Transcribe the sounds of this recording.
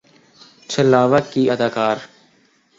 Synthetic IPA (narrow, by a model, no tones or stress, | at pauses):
t͡ʃʰəlaːʋəkiːəd̪aːkaːɾ